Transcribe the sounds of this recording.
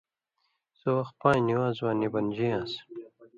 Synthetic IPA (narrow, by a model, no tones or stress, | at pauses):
zowaxpãːjniwazwaːnibɐnd͡ʑiãːs